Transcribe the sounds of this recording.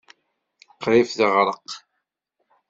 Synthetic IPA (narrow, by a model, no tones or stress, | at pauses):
qɾɪfðəʁɾˤəq